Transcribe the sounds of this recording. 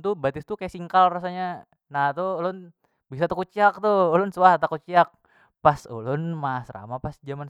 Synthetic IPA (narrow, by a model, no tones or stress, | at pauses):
t̪ubat̪ɪst̪ukajasiŋkalrasaɲa | naht̪uolʊn | bisat̪akut͡ʃiak̚t̪uolʊnsuaht̪akut͡ʃiak̚ | paso̰lʊnmasra̰mapasd͡ʒaman